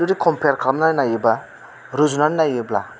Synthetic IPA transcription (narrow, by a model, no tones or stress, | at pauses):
uɾikʰɔmpʰejaɾkʰlamnaɾinajɯba | ɾuzunaɾinajɯbla̰